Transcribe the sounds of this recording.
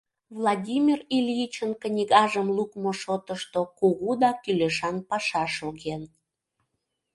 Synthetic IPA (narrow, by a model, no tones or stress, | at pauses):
vlˠɑdʲimʲirilʲjit͡ɕənkənʲiɣɑʒəmlukmoʃot̪əʃt̪okuɣud̪ɑkyløʃɑnpɑʃɑʃoɣen